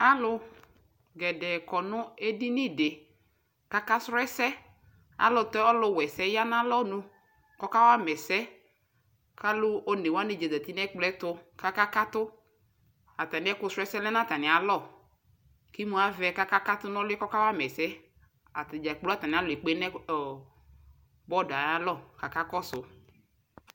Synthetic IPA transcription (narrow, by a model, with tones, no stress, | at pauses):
a˦lʊ˦ | ɡɛ˨dɛ˨kɔ˨nʊ˦e˦di˦ni˦de˨ | ka˦ka˦sɾɛ˦sɛ˦ | a̰˨lʊ˨tɔ˦ɔ˦lʊ˨wɛ˨sɛ˦ja˦na˦lɔ˦nu˦ | kɔ˦ka˦wa˦mɛ˨sɛ˦ | kʰa˦lʊ˦o˨˦ne˨wa˦ne˨d͡ʒa˨za˨t̪i˦nɛ˦k͡plɛ˦tʊ˦ka˦ka˦ka˦tʊ˦ | a˨ta˨nɪ̃˨˦ɛ˦kʊ˦sɛ˦sɛ˦lɛ˦na˦˨ta˨nɪ˨a˨lɔ˦˨ | ki˦mũ˦a˨vɛ˦ka˦ka˦ka˦tʊ˦nɔ̃˦lɪ˦kɔ˦ka˦wa˦mɛ˨sɛ˦ | a˨td͡ʒa˨k͡plu˦a˦ta˨nɪ˨a˦lʊ˨e˨k͡pe˦nɛ˦˨ | bɔ˦˨da˨ja˦lɔ˦˨ka˨ka˦kɔ˦sʊ˨